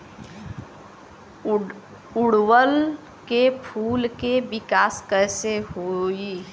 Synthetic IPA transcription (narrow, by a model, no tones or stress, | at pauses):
ʊɽwəl | kepʰuːlkeʋɪkaːskəseɦoi